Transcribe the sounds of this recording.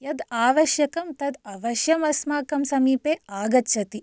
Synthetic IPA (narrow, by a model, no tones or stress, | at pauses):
jɐd̪aːʋɐʃjɐkɐmt̪ɐd̪ɐʋɐʃjɐmɐsmaːkɐmsɐmiːpeːaːɡɐtːt͡ʃɐt̪i